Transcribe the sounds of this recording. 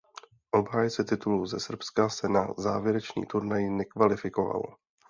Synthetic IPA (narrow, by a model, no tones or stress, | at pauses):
ʔo̞bɦaːjt͡sɛt̪ɪt̪uluːzɛsr̩pskasɛnaza̰ːvjɛɾɛt͡ʃɲḭːt̪uɾnajɪnɛkvalɪfɪkova̰lo̰